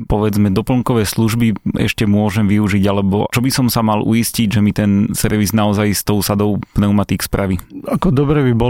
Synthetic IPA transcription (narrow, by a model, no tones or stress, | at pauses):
pɔʋɛd͡zmɛd̪ɔpl̩ˠŋkɔʋɛːsluʒbiɛ̰ʃcɛmʊɔʒɛmʋiuʒiɟalɛbɔ̰t͡ʃɔbisɔmsamalʔṵisciɟʒɛmit̪ɛnsɛɾʋiznaɔzajst̪ɔʊsad̪ɔʊpnɛʊmat̪ikspɾʔaʋiakɔd̪ɔbɾɛbibɔ